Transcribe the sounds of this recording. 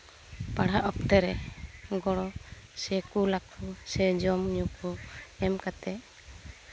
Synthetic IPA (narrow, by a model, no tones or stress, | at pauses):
paɽ̤aʔɔp̚t̪ɛɾɛɡɔɽɔ | sɛkulakʰusɛd͡ʒɔmɲukuɛmkat̪ɛ